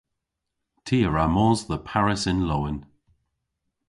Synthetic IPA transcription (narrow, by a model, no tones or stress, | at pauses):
tʰiːəɹamɔːzðəpʰaɹɪsɪ̃nlowɪn